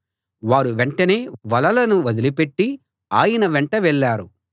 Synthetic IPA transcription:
ʋaːɾuʋeɳʈɐne̞ːʋɐlɐlɐnuʋɐd̪ilipeʈːi | aːjɐnɐʋeɳʈɐʋɛɭːaːɾu

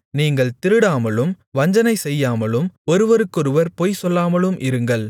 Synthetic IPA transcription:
niːŋɡɐɭt̪ɪɾɯɽaːmɐɭɯm | ʋɐɲd͡ʒɐnɐɪsɛjːaːmɐlɯmɔɾɯʋɐɾɯkːɔɾɯʋɐɾpɔjsɔlːaːmɐɭɯmʔɪɾɯŋɡɐɭ

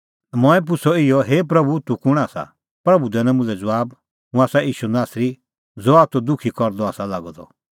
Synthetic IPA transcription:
mɔ̃ɛ̃p̬ʊsɔɪjɔɦeːp̬ɾɐbut̪ukʊɽ̃aːsa̰ | pɾɐbud̪ɛnɛ̃mʊ̃lɛd͡zɔaːb | ɦũaːsaiːʃunaːsɾi | d͡zɔaːt̪ɔd̪ʊkʰikɔɾd̪ɔaːsalaɡɔd̪ɔ̰

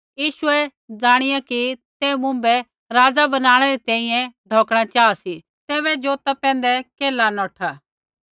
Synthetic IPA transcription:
jiːʃʊɛd͡zaːɽ̃ɪjakit̪emʊ̃mbɛ | ɾaːd͡zabɐnaːɽ̃ɛɾit̪ɛ̃ːĩjɛ̃ɖʱɔːkɽ̃at͡ʃaːsi | t̪eːβɛd͡ʒoːt̪apɛ̃ːnd̪ɛkeːlanɔːʈʰaː

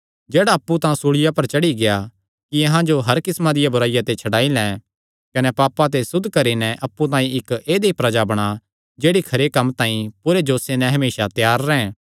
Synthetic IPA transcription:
d͡ʒeːɽaɐpːut̪ãːsuɽɪjapɐɾt͡ʃɐɽiɡeja | kiɐɦãd͡ʒoɦɐɾkɪsmãd̪ɪjabʊɾaːɪjat̪et͡ʃʰɐɽaːilɛ̃ː | kɐnɛpaːpat̪̬esʊd̪ʱːkɐɾinɛʔɐpːut̪ãːĩɪkeːd̪eipɾɐd͡ʒabɐɽ̃a | d͡ʒeːɽikʰɐɾekɐmːt̪ãːĩpʊɾed͡ʒoːsenɛ̃ɦɐmeːsat̪jaːɾːɛ̃ː

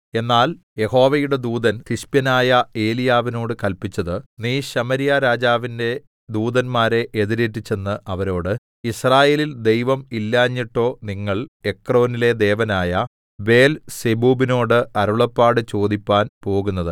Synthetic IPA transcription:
e̞nːaːl | je̞ho̞ːʋɐjuɽe̞d̪uːd̪ɐnt̪iɕpjɐnaːjɐe̞ːlijaːʋino̞ːɽɨkɐlpit͡ɕːɐðɨniːɕɐmɐɾijaɾaːd͡ʑaːʋinde̞ | d̪uːd̪ɐnmaːɾe̞ʔeðiɾetːit͡ɕːe̞nːɨʔɐʋɐɾo̞ːɽɨ | israːjeːlild̪e̞jʋɐmilːaːɲːiʈːo̞ːniŋːɐɭe̞kro̞ːnile̞d̪e̞ːʋɐnaːjɐ | ʋe̞ːlsebuːbino̞ːɽɨʔɐɾuɭɐpːaːɽɨt͡ɕo̞ːd̪ipːaːnpo̞ːɣunːɐðɨ

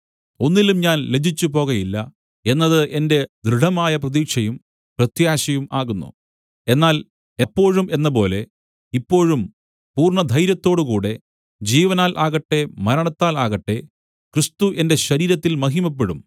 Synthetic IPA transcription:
o̞nːilumɲaːnled͡ʑit͡ɕːupo̞ːɣɐjilːɐ | e̞nːɐðɨʔende̞d̪ɾɨɖɐmaːjɐprɐðiːkʂɐjum | prɐt̪jaːɕɐjumaːɣunːṵ | e̞nːaːl | ɐpːo̞ːɻumʔe̞nːɐp̬o̞ːle̞ | ipːo̞ːɻum | puːrɳɐd̪ʱɐjɾjɐt̪ːo̞ːɽukuːɽe̞ | d͡ʑiːʋɐnaːlʔaːɣɐʈːe̞mɐɾɐɳɐt̪ːaːlaːɣɐʈːe̞ | krist̪uʔe̞nde̞ɕɐɾiːɾɐt̪ːilmɐɦimɐp̬ːeɽum

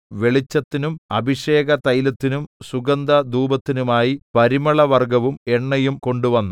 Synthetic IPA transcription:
ʋe̞ɭit͡ɕːɐt̪ːinumɐbʱiɕe̞ːɡɐt̪ɐjlɐt̪ːinumsuɡɐnd̪ɐd̪uːbɐt̪ːinumaːjipɐɾimɐɭɐʋɐrɡɐʋume̞ɳːɐjumko̞ɳɖuʋɐnːu

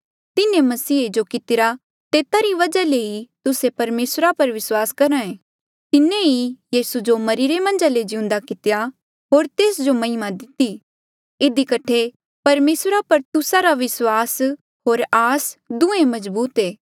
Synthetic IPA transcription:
t̪ɪnẽmɐsiːed͡ʒokɪt̪ɪɾa | t̪eːt̪aɾiʋɐd͡ʒaleit̪ʊsepɐɾmeːsɾapɐɾʋɪswaːskɐɾãẽː | t̪ɪnẽijiːsud͡ʒomɐɾiɾemɐ̃nd͡ʒaled͡ʒɪʊ̃nd̪akɪt̪ɪja | ɦoːɾt̪eːsd͡ʒomɐɪmãd̪ɪt̪ːi | ɪd̪ikɐʈʰe | pɐɾmeːsɾapɐɾt̪ʊsaɾaʋɪswaːs | ɦoːɾaːsd̪ʊ̃ẽmɐzbuːt̪eː

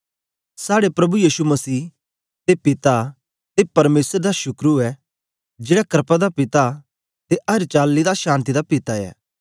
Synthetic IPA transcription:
saːɽepɾɐbujiːʃumɐsiː | t̪epɪt̪a | t̪epɐɾmeːsɾd̪aʃʊkɾuɛ | d͡ʒeːɽakəɾpad̪apɪt̪a | t̪eʔɐɾt͡ʃaːlːid̪aʃãːnt̪̬id̪apɪt̪aɛ̰ː

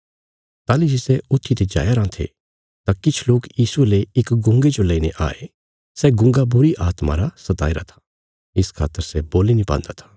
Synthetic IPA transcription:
t̪aːlid͡ʒɪsɛʊt̪ʰːit̪ed͡ʒa̰ːjaɾãt̪ʰḛ | t̪akɪt͡ʃʰloːkjiːsueleɪkɡʊ̃ŋɡed͡ʒolɐineʔa̰ːe | sɛɡʊ̃ŋɡabʊɾiʔaːt̪ma̰ɾasɐt̪a̰ːiɾat̪ʰḁ | ɪskʰa̰ːt̪ːəɾsɛboːlinĩpã̰ːnd̪at̪ʰḁː

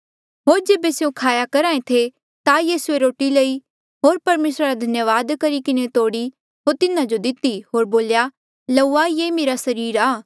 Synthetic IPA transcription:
ɦoːɾd͡ʒeːbesjõkʰaːjakɐɾaːẽt̪ʰe | t̪ajiːsueɾoːʈilɐi | ɦoːɾpɐɾmeːsɾaɾad̪ʱɐnjəʋaːd̪kɐɾikɪnet̪oːɽi | ɦoːɾt̪ɪnãd͡ʒod̪ɪt̪iɦoːɾboːlja | lɐuajemeːɾasɐɾiːɾaː

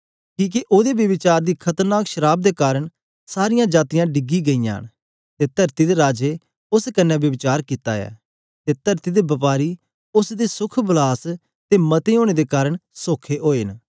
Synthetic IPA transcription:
kĩːk̬iʔoːd̪eːʋjəbɪt͡ʃaːɾd̪iːkʰət̪əɾnaːkʃəɾaːb̚d̪eːkaːɾəɽ | saːɾɪjãːd͡ʒaːt̪ijãːɖɪɡiːɡəijã̰ːn | t̪eːt̪əɾt̪id̪eːɾaːd͡ʒeː | ʊskənːɛ̃ːʋjəbɪt͡ʃaːɾkɪt̪a̰ːjɛ̰ː | t̪eːt̪əɾt̪iːd̪eːbɐpaːɾi | ʊsd̪eːsʊkʰbəlaːs | t̪eːmɐt̪eoːɽ̃eːd̪eːkaːɾəɳsoːkʰeʔoːen

